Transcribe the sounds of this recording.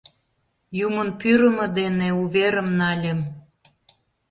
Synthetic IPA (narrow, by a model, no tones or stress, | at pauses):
jumənpyɾə̆mə̆d̪eneuβeɾəmnɑlʲem